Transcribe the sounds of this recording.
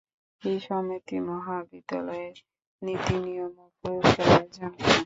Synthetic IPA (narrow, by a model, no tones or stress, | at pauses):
ejʃɔmit̪imɔɦabid̪ːalɔeɾ | nit̪inijomopoɾiʃaɾad͡ʑanka